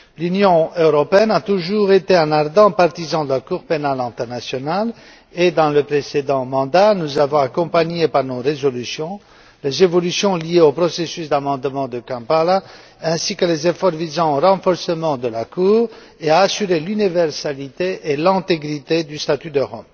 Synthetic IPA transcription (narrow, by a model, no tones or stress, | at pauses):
lynjɔ̃øʁɔpeɛnat̪uʒuʁet̪eɛ̃naʁd̪ɑ̃paʁt̪izɑ̃d̪əlakuʁpenalɛ̃t̪ɛʁnasjɔnal | ed̪ɑ̃ləpχesed̪ɑ̃mɑ̃d̪anuzavɔ̃akɔ̃paɲepaʁnoʁezɔlysjɔ̃ | lezevɔlysjɔ̃lijeopχɔsesysd̪amɑ̃d̪mɑ̃d̪əkɑ̃pala | ɛ̃sikəlezefɔʁvizɑ̃oʁɑ̃fɔʁsəmɑ̃d̪əlakuːʁ | eaːsyʁelynivɛʁsalit̪eʔːlɛ̃t̪eɡʁit̪ed̪yst̪at̪yd̪əʁɔ̰m